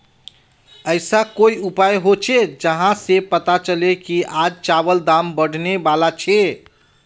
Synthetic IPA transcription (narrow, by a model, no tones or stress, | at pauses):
əɪsakoiupajɦot͡ʃʰed͡ʒəɦãsepət̪at͡ʃəlekiad͡ʒt͡ʃaβəld̪ambəɽ̤nebalat͡ʃʰe